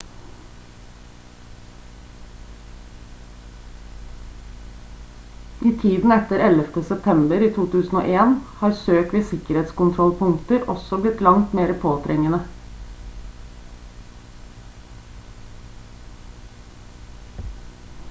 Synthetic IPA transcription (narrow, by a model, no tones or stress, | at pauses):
ʔiːt̪ʰiːd̪n̩ɛt̪əɾɛləft̪əsɛp̚t̪ʰɛmbəɾiːt̪ʰuːt̪ʰʉːsn̩o̰ːʔeːnhɑːɾsøːkʋiːsɪkəɾeːt̪skʊnt̪ʰɾɔlpʰʊŋt̪əɾʔɔ̰sɔblɪt̪lɑŋt̪meːɾəpʰoːt̪ʰɾɛŋənə